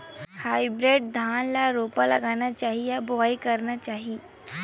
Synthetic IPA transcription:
hajbɾeɖ̚d̪ʱanlaɾopala̰ɡanjat͡ɕaɦijaboaikəɾnat͡ɕaɦiː

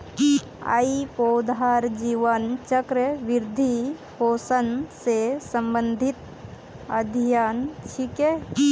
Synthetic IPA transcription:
a̰ipod̪aːɾd͡ʒiʋənt͡ʃəkɾəʋɪɾd̪ʱipoːsənsesə̃mbə̃nd̪ʱit̪ | ɐ̰d̪ʱijaːnt͡ʃʰike

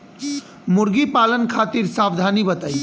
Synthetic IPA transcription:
muɾɡipalənkʰat̪iɾsabd̪ʱanibət̪ai

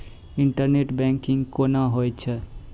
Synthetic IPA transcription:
iɳʈəɾneʈbɛ̃ŋkiŋkonaɦojt͡ʃʰe

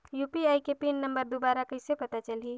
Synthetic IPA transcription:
jupiajkepinːəmbəɾd̪ubaɾakəɦsepət̪at͡ʃəli

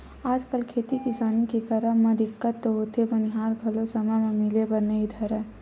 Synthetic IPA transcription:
aːd͡ʒkəlkʰeːt̪ikɪsaːnikikəɾəmɐ̃d̪ɪkːət̪ːoɦoːt̪ebəniɦaːɾɡʱɐlosɐməjmẽmɪlebənːeid̪ʱəɾɛː

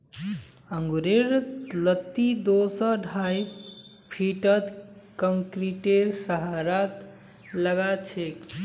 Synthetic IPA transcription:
əŋɡuɾeɾlət̪ːid̪osəɖʱaj | pʰiʈət̪kəŋkɾiʈeɾsəɦaɾat̪ | ləɡat͡ʃʰek

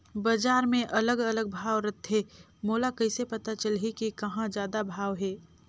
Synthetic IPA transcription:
bad͡ʒaːɾmẽʔɐləɡɐləɡ̚bʱaːʋɾɐt̪ɦɛː | moːlakɐɪsepɐt̪at͡ʃəlɦikikɐɦãd͡ʒjaːd̪abʱaːʋɦɛː

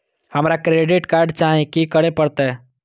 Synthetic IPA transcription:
həmɾakɾeɖiʈkaɾɖt͡ʃaɦẽkikəɽepəɾt̪ɛ

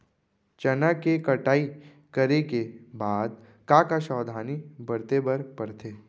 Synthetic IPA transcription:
t͡ʃɐnakekɐʈaːi | kɐɾekebaːd̪̚ | kãkaʃɔːd̪ʱaːnibɐɾt̪ebəɾpɐɾt̪ʰeː

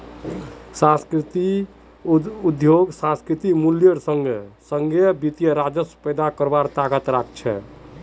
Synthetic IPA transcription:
sãskɾit̪i | ud̪joɡsãskɾit̪imuljəɾsəŋɡesəŋɡebit̪ijəɾad͡ʒəspəjd̪akəɾbaɾt̪aɡət̪ɾak̚ʰt͡ʃʰɛ̰

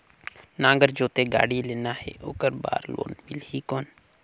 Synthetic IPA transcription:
nãːŋɡəɾd͡ʒoːt̪eɡa̰ːɽileːnaɦɛ̰ʔoːkəɾba̰ːɾlo̰ːnbɪlɦikoːn

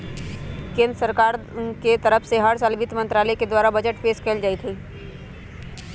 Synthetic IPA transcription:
kẽːnd̪ɾəsəɾkaːɾ | ket̪ɐɾəfʰseɦaːɾsalbɪt̪mə̃nt̪ɾaːlɛked̪waːɾabɐd͡ʒəʈpeːskeld͡ʒaːit̪ɦiː

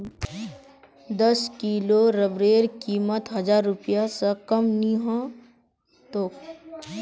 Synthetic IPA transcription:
d̪əskiːloɾəbɾeːɾkiːmət̪ɦɐd͡ʒaːɾːʊpɪjasɐkɐmniɦã | t̪oːk

